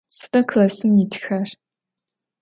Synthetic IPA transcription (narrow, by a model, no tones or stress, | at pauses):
sɨ̥tʼɐkʰlɐsɨmːitʰxɐr